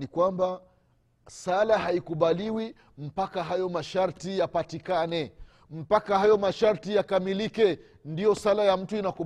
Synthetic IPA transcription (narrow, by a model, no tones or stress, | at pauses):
ikwamba | salahaikuɓaliwi | m̩pakaɦajɔmaʃaɾtijapatikanɛ | m̩pakahajɔmaʃaɾtijakamilikɛ | ndijɔsalajam̩tuinaku